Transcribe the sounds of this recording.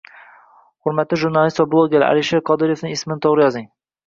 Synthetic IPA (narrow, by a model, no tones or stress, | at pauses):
hʊɾmat̪lɪʒʊɾnɑlˠist̪vablˠoɡʲeɾæ̰liʃeqʰɒd̪ɪɾjefnɪŋɪsmɪnɪt̪ʰowɾɪjɒzɪŋ